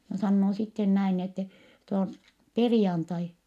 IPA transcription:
jɑ sɑnːoː sitːen næin n etːɛ nyt om perĭjɑntɑi

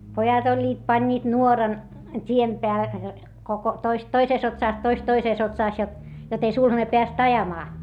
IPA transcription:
pojɑt olʲːiːt pɑnʲːiːt nuorɑn tʲiem peæ koko toist toiseˑs otsɑˑs toist toiseˑs otsɑˑs jot jot ei sulhɑne peæst ɑjɑmɑː

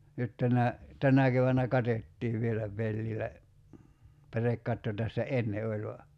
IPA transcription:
nyt tænæ tænæ keʋænːæ kɑtetːiːʋ ʋielæ pelːilæ pærekːɑtːo tæsːæ enːe olʲ ʋɑ

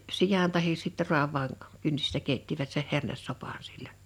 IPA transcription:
sijɑn tɑhis sitːe ru̞ɑʋˑɑːn kynsistæ keitːiʋæt seh hernesːopɑˑn silʲːəːn̥

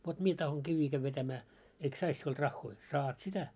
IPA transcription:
ʋot mie tɑhoŋ kiʋːiː kæʋ ʋetæmæː eik sɑis siuld̥ rɑxːoi sɑːt sitæ

